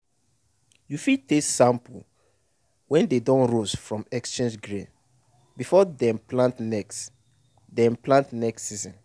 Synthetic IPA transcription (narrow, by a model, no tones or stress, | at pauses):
jufid̚tesãmpol̩ | wɛ̃ndedɔ̃nɹosfɹɔ̃mɛkst͡ʃẽnd͡ʒɡɹḭ̃n | bifɔdɛ̃mplãntnɛks | dɛ̃mplãntnɛkssizɔ̃n